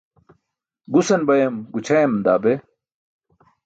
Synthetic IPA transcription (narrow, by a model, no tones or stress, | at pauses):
ɡusɐnbɐjɐmɡut͡ɕʰɐjɐmd̪aːbe